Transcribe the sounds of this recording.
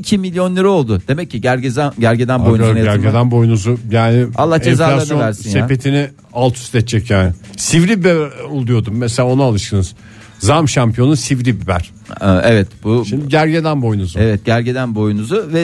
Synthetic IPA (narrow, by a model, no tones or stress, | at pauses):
icʰimilʲjo̞nlʲˠeɾio̞lˠd̪ʊd̪e̞mɛcːiɟæɾɟezaɟæɾɟed̪ænbojunaj̪ɾɟed̪ænbo̞junuzʊjaːnɪalˠːahd͡ʒezaːlaabiolʲæɾsinsj̪eapet̪ʰinɪ | alˠt̪ʰu̥st̪ɛt͡ʃt͡ʃʰːɛcjaːnɪsivɾibbɛulˠd̪ujo̞d̪umːeselʲaonaalˠɯʃk̪ɯnɯz̥ | zamʃampʰijo̞nusivɾibibæ̰ɾ̥ | ʔevɛt̪buʃimd̪iɟæɾɟed̪ænbo̞junuzuevɛt̪̚ɟæɾɟed̪ænbo̞junuzʊvɛ